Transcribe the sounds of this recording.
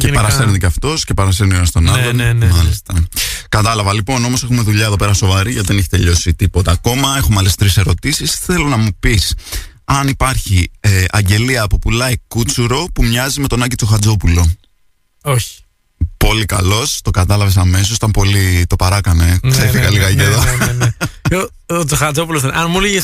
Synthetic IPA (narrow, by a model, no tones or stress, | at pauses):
cepɐɾɐseɾniceɐft̪o̞sce̞pɐɾɐsenionɐst̪o̞nɐlonmɐlist̪ɐkɐt̪ɐlɐvɐlipo̞no̞mo̞se̞xume̞ðuʎɐeðo̞pe̞ɾɐso̞vɐɾiʝɐt̪iðeneçe̥t̪e̞̰ʎo̞sit̪ipo̞t̪ɐːko̞mɐe̞xo̞mɐlesi̥t̪ɾise̞ɾo̞t̪isisθe̞lo̞nɐmupis | ɐnipɐɾçieʔɐ̰ɲɟe̞liɐːpopulɐikut͡suɾo̞pumɲɐzime̞t̪o̞nɐɟit͡soxɐd͡zo̞pulo̞ | oçi̥ | po̞likɐlo̞st̪o̞kɐt̪ɐlɐves̬ɐme̞s̬o̞s̬i̥t̪ɐmpo̞lit̪o̞pɐɾɐkɐne̞kseɾeθikɐliɣɐjeðo | o | t͡soxɐd͡zopuloseʔɐnmuliʝes